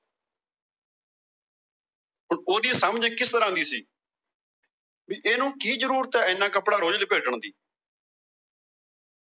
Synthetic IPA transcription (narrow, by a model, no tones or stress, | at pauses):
ɦʊɳoːd̪iːsəməd͡ʒkɪst̪əɾãːnd̪iːsiː | ʋiːʔeːnũːkiːd͡ʒəɾuːɾt̪ɛːɪnːãːkəpɽaːɾoːd͡ʒlɪpeːʈəɳd̪iː